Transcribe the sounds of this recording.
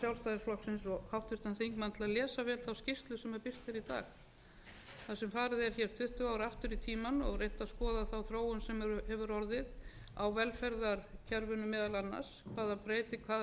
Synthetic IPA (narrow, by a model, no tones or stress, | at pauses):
sjawlst̪ajðasplɔhksɪns̬ɔhawht̪vɪɾ̥t̪anθejŋkmant̪ʰɪlaðlɛːsavɛːlθawscɪst̪lʏsɛmɛɾpɪr̥t̪ɪɾit̪a̰ːx | θasɛmfaːɾɪðɛɾ̥çɛːɾ̥t̪ʰʏht̪ʏaːwɾɪaft̪ʏɾit̪ʰiːmanɔɣrejht̪aðskɔːðaθawθɾoːwʏnsɛmɾhɛvʏɾɔɾðɪð | awvɛlfɛɾðaɾ̥cʰɛɾvʏnʏmɛːðalanːa̰ɾskvaːðapɾeːjt̪ɪkʰvaː